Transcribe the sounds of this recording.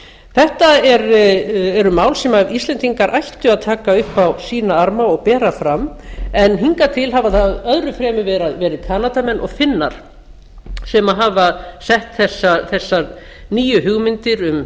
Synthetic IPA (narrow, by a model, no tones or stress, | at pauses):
θɛht̪aɛɾɛɾʏmaːwlsɛmavist̪lɛnt̪ʰiŋkaɾʔajht̪ʏaðt̪ʰaːkaʏhpawsiːnaaɾmaɔɣpɛːɾafɾamɛnɦiŋkat̪ʰɪlɦavaθaðœðɾʏfɾɛːmʏvɛːɾaðvɛːɾɪðkʰaːnat̪amɛnʔɔɣfɪnːa̰ɾ̥ | sɛmaɦaːvasɛht̪θɛsːaθɛsːaɾ | niːjʏhʏɣmɪnt̪ɪɾʏm